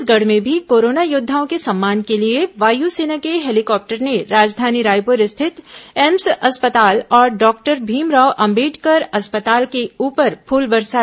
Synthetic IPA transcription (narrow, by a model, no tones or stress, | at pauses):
sɡɐɽ̤mẽbʱikoːɾoːnajʊd̪ʱːaːõkesɐ̃mːaːnkelieʋaːjuseːnakeɦɛːlɪkɔːp̚ʈəɾneɾaːd͡ʒd̪ʱaːniɾaːjpʊɾɪst̪ʰɪt̪ɛːmsɐspət̪aːlɔːɾɖɔːk̚ʈəɾbʱiːmɾaːʊʔɐ̃mbiːʈkɐɾɐspət̪aːlkeuːpəɾpʰuːlbɐɾsa